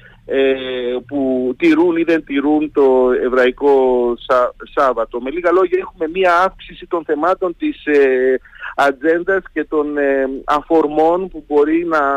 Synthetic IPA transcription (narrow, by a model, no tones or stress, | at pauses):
eput̪iɾuniðe̞nt̪iɾunt̪o̞e̞vɾɐiko̞ssɐvɐt̪o̞me̞liɣɐlo̞ʝɐe̞xume̞miɐɐfksisit̪o̞nθe̞mɐt̪o̞nt̪ise | ɐd͡ze̞nd̪ɐsce̞t̪o̞nɐfo̞ɾmo̞npubo̞ɾinɐ